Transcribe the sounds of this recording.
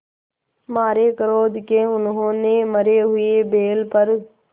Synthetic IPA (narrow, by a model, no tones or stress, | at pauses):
maːɾekəɾoːd̪keʊnɦõːneməɾeɦʊebeːlpəɾ